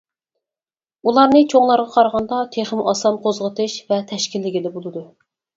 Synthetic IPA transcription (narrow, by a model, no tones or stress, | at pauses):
ulˠɑɾnɨt͡ʃʰoŋlˠɑɾʁɑqʰɑɾʁɑnd̪ɑt̪ʰeχɪmɑsɑnqʰozʁət̪ʰɨʃvɛt̪ʰɛʃkʲilːɪɡʲilɪbolˠɨd̪u